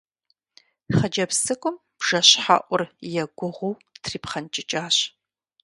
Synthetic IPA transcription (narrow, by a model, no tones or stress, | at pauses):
χɐd͡ʒɐpsɨkʷʼʊm | b̥ʒ̥ɐɕħa̰ːʔʷʊrjɛɡʷʊʁʷʊwtʰriːpχɐnt͡ʃʼɪt͡ʃʼaːɕ